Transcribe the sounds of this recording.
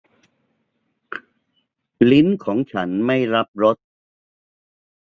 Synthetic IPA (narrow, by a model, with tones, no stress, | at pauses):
li˦˥nkʰɔː˩˦ŋt͡ɕʰa˦˥nma˥˩jɾa˦˥p̚ɾo˦˥t̪̚